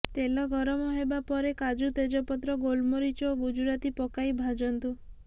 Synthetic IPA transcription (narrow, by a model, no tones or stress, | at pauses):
t̪elɔɡʱɔɾɔmɔɦebapɔɾekad͡ʒut̪ed͡ʒɔpɔt̪ɾɔɡolmoɾit͡ʃɔɡud͡ʒuɾat̪ipɔkajbʱad͡ʒɔnt̪u